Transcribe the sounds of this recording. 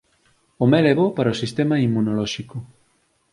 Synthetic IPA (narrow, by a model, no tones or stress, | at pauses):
omɛlɛβopaɾɐosist̪emɐimːunolɔʃikʊ